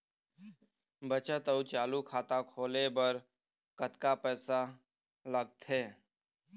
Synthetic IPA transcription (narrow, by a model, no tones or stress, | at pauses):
bət͡ʃət̪əut͡ʃaːluːkʰaːt̪aːkʰoːleːbəɾ | kət̪kaːpɛːsaː | ləɡ̚t̪ʰeː